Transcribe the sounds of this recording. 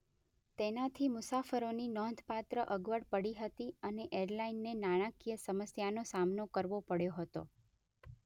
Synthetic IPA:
t̪enat̪ʰimʊsafəɾoninɔnd̪ʱpat̪ɾəʔəɡʋəɽpəɽiɦət̪iəneʔeɾlainːenaɽ̃ãkijəsəməsjanosamnokəɾʋopəɽjoɦət̪o̰

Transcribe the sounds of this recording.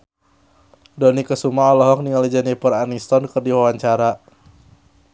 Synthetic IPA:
dɔnikəsumaɔlɔɦɔk̚niŋalid͡ʒanipɔɾanist̪ɔnkərdiwawaɲt͡ʃaɾa

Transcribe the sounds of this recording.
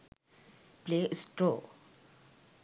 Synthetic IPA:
pleːʔsʈɾoː

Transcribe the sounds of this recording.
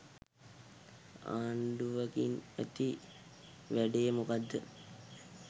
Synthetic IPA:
a̰ːɳɖuʋɐkinæ̰t̪i | ʋæɖejəmukad̪ːə̰

